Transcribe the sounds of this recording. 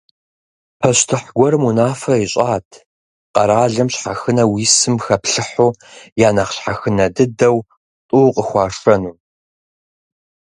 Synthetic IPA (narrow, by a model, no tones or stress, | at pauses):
pʰɐɕtʰɨħɡʷɔrmunaːfɐiɕʼaːtʰ | qɐɾaːɮɐmɕħaxɨnɐwiːsɨmxɐpɬɨħuːjaːnɐχɕħaxɨnɐdɨdɐw | tʼuːqʼəxʷɑːʂɐnuː